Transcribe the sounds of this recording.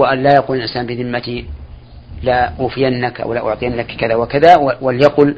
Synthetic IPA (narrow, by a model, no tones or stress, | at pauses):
aʔanlaːjaquːlalʔɪnsaːnbɪðɪmːat̪i | laʔuːfɪjanːakʔa̰wlaʔʊ̰ʕt̪ˤɨjanːakkaðaːwakaðawaljaqʊl